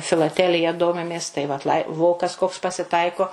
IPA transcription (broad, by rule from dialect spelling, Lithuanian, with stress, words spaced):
fʲɪlˠɐˈtʲæːlʲɪjɛ ˈdoːmʲɪmʲeːs tɐɪ ʋɐt lˠɐɪ ˈʋoːkɐs koːks pɐsʲɪˈtɐɪkoː